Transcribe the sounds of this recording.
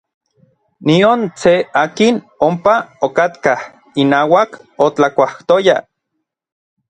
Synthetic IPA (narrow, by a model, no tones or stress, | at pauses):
niont͡seaːkin | ompaokat̪kah | inaːwakot͡ɬakʷaht̪oja